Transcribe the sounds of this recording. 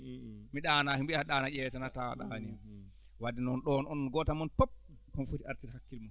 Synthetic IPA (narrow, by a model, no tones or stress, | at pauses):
miɗanaːhimbihaɗaːnajɛtanata̰ɗania | wadinɔnɗɔnɔnnɡɔtamɔnpop̚ | kɔnfutia̰ɾtiɾhakːilma